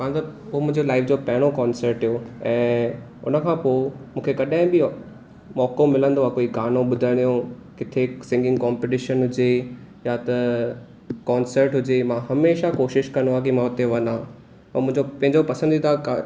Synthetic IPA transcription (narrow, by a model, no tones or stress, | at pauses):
kãːt̪ɐoːmʊ̃ɦɪ̃ɲd͡ʑolaːɪfd͡ʑoːpɐɦɪɽ̃okɔːnsəɾʈɦijoɛ̃ː | ʊ̰nə̆kʰãːpomũːkʰekɐɗãːɦɪ̃bɪ | mɔːkõmɪlə̃nd̪oakoːiɡaːnõɓʊd̪ʱəɽ̃ijõkɪt̪ʰesɪ̃ŋɡɪ̃ŋɡkɔːmpeʈɪʃənɦʊd͡ʑe | jat̪ɐ | kaːnsəɾʈɦʊd͡ʑemãɦɐmeːʃakoːʃɪʃkɐ̃nd̪oaːkimãʊt̪eʋɐnãː | ɐmʊ̃ɦɪ̃ɲd͡ʑopɐ̃ɪ̃ɲd͡ʑopɐsə̃nd̪it̪ʰaka